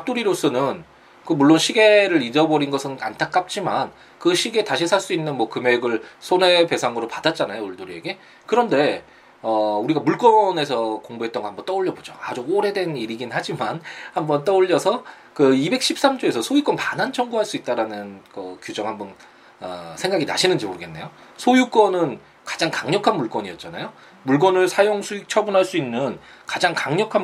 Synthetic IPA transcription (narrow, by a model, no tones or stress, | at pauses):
ap̚t͈uɾiɾos͈ʌnɯn | kɯmuɭːonɕʰiɡe̞ɾɯɾid͡ʑʌbʌɾinɡʌsʰɯnkantʰak͈̚ap̚t͡ɕ͈iman | kɯɕʰiɡe̞taɕʰisʰaɭs͈uinːɯnmwʌkɯme̞ɡɯɭsʰone̞pe̞sʰaŋɯɾopadat̚t͡ɕ͈anajouɭduɾie̞ɡe̞ | kɯɾʌnde̞ | ʌuɾiɡamuɭk͈ʌne̞sʰʌkoŋbuɦet͈ʌŋɡohambʌnt͈ʌuʎːʌbod͡ʑoa̰d͡ʑuoɾe̞dwe̞niɾiɡinhad͡ʑimanhambʌnt͈ʌuʎːʌsʰʌ | kɯibe̞k̚ɕ͈ʰip̚s͈amd͡ʑoe̞sʰʌsʰojik͈wʌnpanant͡ɕʰʌŋɡuɦaɭs͈uit̚t͈aɾanɯnkʌkjud͡ʑʌŋhambʌn | ʌ̰sʰe̞ŋɡaɡina̰ɕʰinɯnd͡ʑimoɾɯɡe̞nːe̞jo | sʰojuk͈ʌnɯn | kḁd͡ʑaŋkaŋɲʌkʰanmuɭk͈wʌɲiʌt̚t͡ɕ͈ana̰jo | muɭk̬͈wʌnɯɭsʰajoŋsʰuik̚t͡ɕʰʌbunɦaɭs͈uinːɯn | kḁd͡ʑaŋkaŋɲʌkʰan